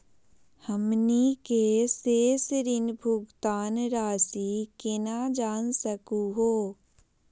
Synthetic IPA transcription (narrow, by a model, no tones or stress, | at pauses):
həmnikeseːsɾɪnbʱʊɡt̪aːnɾaːsikenad͡ʒaːnsəkuɦoː